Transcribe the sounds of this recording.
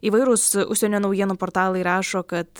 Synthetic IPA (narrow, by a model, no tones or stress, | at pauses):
iːʋɐɪɾʊsʊ̰ʃʲsʲɛnʲoːnɐʊjiɛnuːpoːɾt̪ɑːlˠɐɪɾɑːʃoːkɐt̪